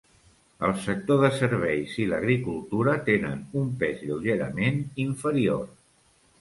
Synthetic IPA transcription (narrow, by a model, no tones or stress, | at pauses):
əlˠsək̚t̪oðəsəɾβɛjziləɣɾikulˠt̪uɾət̪enə̰numpezʎəwʒeɾə̰meniɱfəɾio̰r